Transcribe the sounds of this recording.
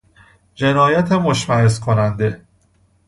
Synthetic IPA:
d͡ʒe̞nɒːjæt̪ʰemoʃmæɦeskʰo̞nænd̪e̞

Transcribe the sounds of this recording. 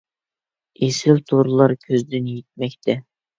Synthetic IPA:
esɪlt̪ʰoɾlˠɑɾkʲʰøzd̪ɪnjet̪̚mɛkʲt̪ʰɛ

